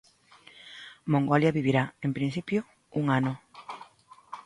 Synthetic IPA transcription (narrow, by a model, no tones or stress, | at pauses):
mõŋɡoljaβiβiɾaempɾin̟θipjo | uŋano